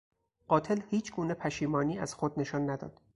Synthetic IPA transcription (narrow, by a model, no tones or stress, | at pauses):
ɢ̥ɒːt̪ʰe̞lhiːt͡ʃʰɡuːne̞pʰæʃiːmɒːniːæz̥xod̪ne̞ʃɒnːæd̪ɒ̰ːd̪̥